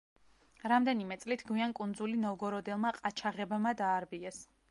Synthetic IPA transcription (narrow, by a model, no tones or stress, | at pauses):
ɾamd̪ɛnimɛt̪sʼlit̪ʰɡwiankʼund̪zulinɔɡɔɾɔd̪ɛlˠmaqʼat͡ʃʰaʁɛbmad̪aːɾbiɛs